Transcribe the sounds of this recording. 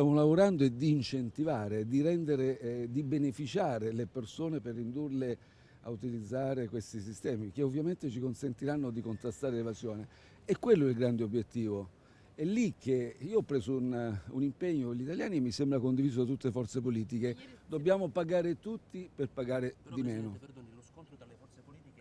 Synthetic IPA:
t̪jaːmolavoɾand̪oɛd̪iːnt͡ʃent̪ivaːɾed̪iɾɛnd̪eɾed̪ibenefit͡ʃaːɾelepersoːneperːind̪urle | a̰ut̪ilid̪zːaːɾekwest̪isist̪ɛːmik̟eovːjament̪et͡ʃikonsent̪iɾanːod̪ikont̪ɾast̪aːɾelevazjoːne | ɛkːwelːoɛlɡɾand̪eobjet̪ːiːvo | ɛlːik̟ːeiːoɔpːɾeːsoununimpeɲːokoʎːit̪aljaːnimːisembɾakond̪iviːz̬oat̪̬ːut̪ːefɔrt̪sepoliːt̪̬iked̪obːjaːmopaɡaːɾet̪ut̪ːiperpaɡaːɾed̪imeːno

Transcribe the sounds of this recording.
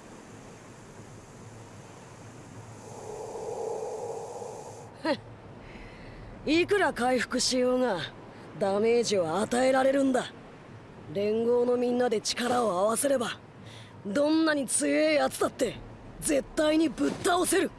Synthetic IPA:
ikɯ̟ɾakaiɸɯ̟̥kɯ̟ɕijoːŋa | d̪ame̞ːʑiβaːt̪ae̞ɾaɾe̞ɾɯ̟̃nd̪a | ɾẽ̞ŋɡo̞ːno̞mʲĩnːad̪e̞t͡ɕi̥kaɾao̞aβase̞ɾe̞ba | d̪õ̞nːaɲ̟it͡sɨjeat͡sɨ̥t̪at̪ːe̞ | d͡ze̞t̪ːaiɲ̟ibɯ̟t̪ːao̞se̞ɾɯ̟

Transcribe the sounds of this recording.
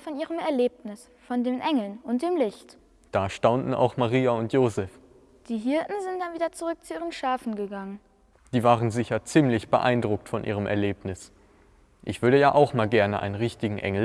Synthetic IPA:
fɔnʔiːʁəmɛɐleːpnɪs | fɔndeːmʔɛŋl̩nʊnt̚d̥eːmlɪçt | d̥aːʃtaʊntn̩a̰ʊxmaʁiːaʊntjoːzɛf | d̥iːɦɪɐtn̩zɪnt̚d̥anviːdɐt͡suʁʏk̚t͡suʔiːʁənʃaːfn̩ɡəɡaŋən | d̥iːvaːʁənzɪçɐt͡siːmlɪçb̥əʔa̰ɪndʁʊk̚tfɔnʔḭːʁəmʔɛ̰ɐleːpnɪs | ʔɪçv̥ʏɐɾəjaːʔaʊxmaːlɡɛɐnəʔa̰ɪnənʁɪçtɪɡŋ̩ʔɛ̰ŋl̩

